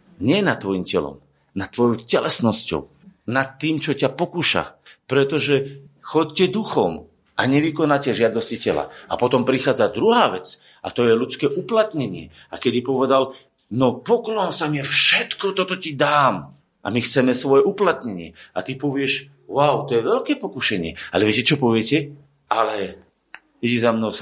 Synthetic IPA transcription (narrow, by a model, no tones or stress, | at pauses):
ɲɪɛnat̪ːʋɔjimcɛlɔ̰m | nat̪ːʋɔjɔʊcɛlɛsnɔscɔ̰ʊ | nat̪ːiːmt͡ʃɔcapɔkuːʃa̰pɾɛt̪ɔʒɛxɔccɛd̪uxɔm | ʔaɲɛʋikɔnaːcɛʒɪad̪ɔscicɛla̰a̰pɔt̪ɔmpɾixaːd͡zad̪ɾuɦaːʋɛt͡s | ʔa̰t̪ɔjɛlut͡skɛːʔuplat̪ɲɛɲɪɛ̰ | akɛd̪ipɔʋɛd̪al | nɔpɔklɔnsamɪɛfʃɛt̪kɔt̪ɔt̪ɔcid̪aːm | ʔa̰mixt͡sɛmɛsʋɔjɛʔuplat̪ɲɛɲɪɛat̪ipɔʋɪɛʃ | waʊt̪ɔjɛʋɛʎkɛːpɔkuʃɛɲɪɛalɛʋɪɛcɛt͡ʃɔpɔʋɪɛcɛ | alɛ | ɛɟizamnɔʊ